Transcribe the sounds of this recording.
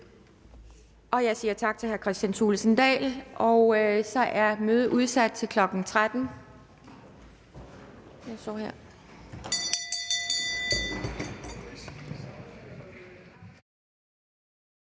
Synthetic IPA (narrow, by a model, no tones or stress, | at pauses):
ʔɒ̽jɑ̈ɪsiːɐt͡sʰɑ̈ɡ̥̚t͡sʰe̝lhæɐkʰʁɛsd̥ænsuːlsən̩d̥ɛ̰ːlʔɒ̽ʊøsɒ̽ʔæɐmøːð̞ˠəʔuð̞ˠsæd̥̚t͡sʰe̝lkʰlɒ̽ɡ̥n̩t͡sʰʁad̥n̩ | jɑ̈ɪsɒ̰ːheɐ̰